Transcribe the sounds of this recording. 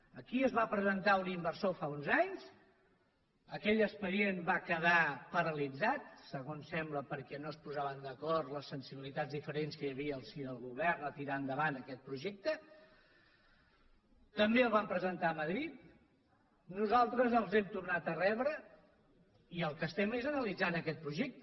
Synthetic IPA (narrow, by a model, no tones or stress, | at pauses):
əkiəzβapɾəzənt̪aunimbəɾsofaunzaɲz | əkɛʎəkspəɾienbakəðapəɾəlid͡zat̪səɣonsɛmbləpəɾkɛnoəspuzaβənd̪əkɔrt̪ləsːənsiβilit̪ad͡zzðifəɾenskəjəβiəːlˠsiðəlˠɣuβɛrnət̪iɾand̪əβanəkɛt̪̚pɾuʒɛk̚t̪ə | t̪əmbeəlˠβampɾəzənt̪aəməðɾit̪̚ | nuzalˠt̪ɾəzəlˠzɛmt̪urnat̪ərɛβɾə | iəlˠkəst̪ɛmezənəlid͡zanəkɛt̪̚pɾuʒɛk̚t̪